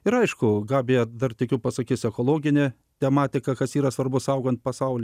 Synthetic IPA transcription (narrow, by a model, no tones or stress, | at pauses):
ɪɾɐɪʃkʊɡɑːbʲɪjɛd̪ɐrt̪ʲɪkʲuːpɐsɐkʲiːsʲɛkoːlˠoːɡʲɪnʲe | t̪ʲɛmɑːt̪ʲɪkɐkɐsiːɾɐsʋɐɾbʊsɐʊɡoːnt̪̚pɐsɐʊlʲ